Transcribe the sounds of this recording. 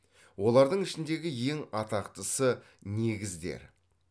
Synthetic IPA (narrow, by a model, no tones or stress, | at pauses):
wo̞lˠɑɾd̪əɴɪʃɪnd̪e̞ɡʲɪje̞ŋɑt̪ɑqt̪əsə | ne̞ɡʲɪzd̪e̞̰ɾ